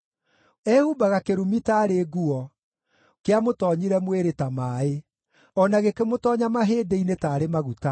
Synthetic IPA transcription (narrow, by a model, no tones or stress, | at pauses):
ɛhubaɣakeɾumitaːɾeːɡuɔ | keamotɔɲiɾɛmweɾetamaːe | ɔnaɣekemotɔːɲamaɦeːdeinetaːɾemaɣuta